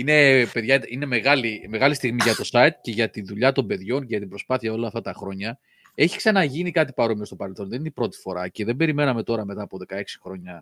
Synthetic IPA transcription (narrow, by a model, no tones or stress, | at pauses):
ine̞pe̞ðʝɐine̞me̞ɣɐlime̞ɣɐlist̪iɣmiʝɐt̪o̞sɐit̪̚ce̞ʝɐt̪inðuʎɐt̪o̞mbe̞ðʝo̞nceʝɐt̪imbɾo̞spɐθiɐo̞lɐːft̪ɐt̪ɐxɾo̞ɲɐ | e̞çi̥ksɐnɐʝinikɐt̪ipɐɾo̞miost̪o̞pɐɾe̞lθo̞nðe̞nineipɾo̞t̪i̥fo̞ɾɐce̞ðe̞mbe̞ɾime̞nɐme̞t̪o̞ɾɐme̞t̪ɐːpo̞ðe̞kɐe̞ksi̥xɾo̞ɲɐ